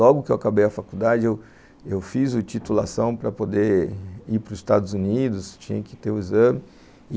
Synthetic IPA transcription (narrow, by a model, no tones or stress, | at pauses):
lɔɡʊkɪewakabejɐfakud̪ad͡ʒɪew | ewfizʊt͡ʃit̪ula̰sɐ̃w̃pɾɐpod̪eiɾpɾʊzɪst̪ad̪ʊzunid̪ʊst͡ʃĩɲɐ̃kɪ̥t̪eʊizɐ̃mɪ